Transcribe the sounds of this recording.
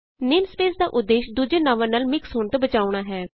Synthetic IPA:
nɪmspeːsd̪aːʔʊd̪ːeːʃd̪uːd͡ʒeːnaʋãːnaːlmɪksɦoːɳt̪obət͡ʃaːuɽ̃aːɦɛː

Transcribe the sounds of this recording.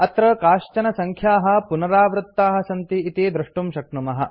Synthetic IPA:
ɐt̪ɾɐkaːʃt͡ʃɐnɐsɐŋkʰjaːɦɐ̆punɐɾaːʋɾut̪ːaːɦɐ̆sɐnt̪iːt̪id̪ɾɪʂʈumʃɐknumɐɦɐ̆

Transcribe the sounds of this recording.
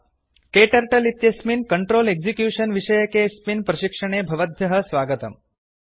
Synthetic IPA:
keːʈɐɾʈɐlit̪jɐsminkɐɳʈɾoːleɡzikjuːʂənʋiʂɐjɐkesminpɾɐʃikʂɐɳ̃eːbʱɐʋəd̪ʱjɐɦɐ̆sʋaːɡət̪ɐ̰m

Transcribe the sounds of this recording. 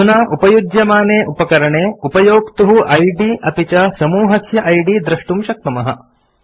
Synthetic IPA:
unaːʔupɐjudjɐmaːneːʔupɐkɐɾɐɳeːupɐjoːkt̪uɦuʔɐjɖiːʔɐpit͡ʃɐsɐmuːɦɐsjɐʔɐjɖiːd̪ɾɐʂʈumʃɐk̚t̪ɐmɐɦɐ

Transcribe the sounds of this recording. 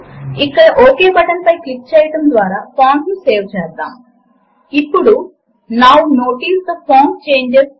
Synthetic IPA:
ikːɐɽɐʔoːkeːbɐʈɐnpɐjklik̚ːt͡ʃɛːjɐʈɐmd̪ʋaːɾaːpʰaːnnuse̞ːʋt͡ʃɛːsd̪a̰ːm | ipːuɽu | naːwuno̞ːʈiːst̪ɐpʰoːnt͡ʃeːɲd͡ʒes

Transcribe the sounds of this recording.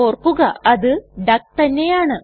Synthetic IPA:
oːrkːuɣɐɐðɨɖɐk̚t̪ɐnːe̞jaːɳɨ

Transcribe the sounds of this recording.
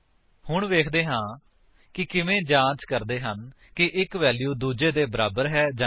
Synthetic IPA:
hʊɳʋeːkʰd̪eːɦãː | kɪkɪʋẽːd͡ʒãːt͡ʃkəɾd̪eːɦən | kɪʔɪkʋɛːljuːd̪uːd͡ʒeːd̪eːbəɾaːbəɾɦɛːd͡ʒa

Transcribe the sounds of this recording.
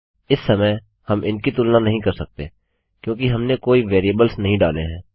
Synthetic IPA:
ɪsːɐmə | hɐmʔɪnkit̪ʊlnãnɐɦĩkɐɾsɐk̚t̪ḛː | kjõːkiɦɐmnekoːiʋeːɾiəbəlsnɐɦĩɖaːleɦɛ̃ː

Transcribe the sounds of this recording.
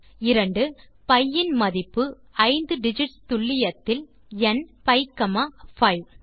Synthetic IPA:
ɪɾɐɳɖɯ | pɐjːɪnmɐðɪpːɯ | ɐɪnd̪ɯɖɪd͡ʒɪʈst̪ʊɭːɪjɐt̪ːɪl | ɛnpɐɪkːɐmɐfɐɪʋ

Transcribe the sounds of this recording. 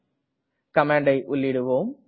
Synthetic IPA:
kɐmaːɳɖɐɪʔʊlːɪɽɯʋoːm

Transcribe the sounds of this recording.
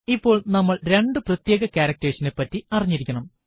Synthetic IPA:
ipːo̞ːɭnɐmːɐɭɾe̞ɳɖɨprɐt̪jeːɣɐkʲaːɾɐk̚tɐɾiɕɐnepːɐtːiɐriɲːiɾikʲːɐɳɐm

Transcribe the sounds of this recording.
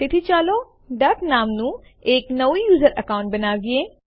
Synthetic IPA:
t̪ɪt̪ʰit͡ʃaːloː | ɖɐknaːmnũː | eːknəʋijuːzəɾəkaːʊ̃ɳʈ̚bɐnaːɡieː

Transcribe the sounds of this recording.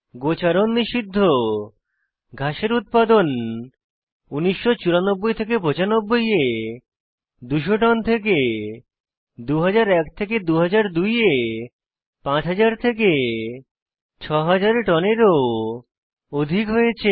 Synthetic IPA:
ɡot͡ɕaɾonːiʃid̪ʱːo | ɡʱaʃeɾut̪̚pad̪on | uniʃːot͡ɕuɾanobːojt̪ʰekepɾot͡ɕanobːoje | d̪uʃoʈɔnt̪ʰek̬e | d̪uɦad͡ʑaɾɛkt̪ʰek̬ed̪uɦad͡ʑaɾd̪uje | pãt͡ɕɦad͡ʑaɾt̪ʰek̬e | t͡ɕʰɔɦad͡ʑaɾeʈɔneɾo | od̪ʱikɦojet͡ɕʰe

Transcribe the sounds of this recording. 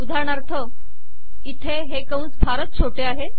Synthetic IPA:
ud̪ʱaɾɳ̃aɾt̪ʰə | it̪ʰeɦekəunt͡sbʱaɾət̪̚t͡sʰoʈeaɦe

